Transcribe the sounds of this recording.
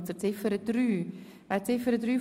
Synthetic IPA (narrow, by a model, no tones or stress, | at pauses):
t͡sət͡sɪfəɾəd̥ɾyː | vaɪt͡sɪfəɾədɾyː